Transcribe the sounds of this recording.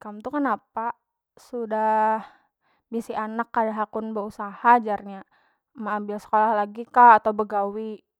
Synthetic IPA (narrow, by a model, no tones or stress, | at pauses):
kamt̪ukənapa | sudah | bisianakːadaɦakʊnbəusahad͡ʒarɲa | məambɪlsə̥kolahlaɡikaːt̪awbəɡawi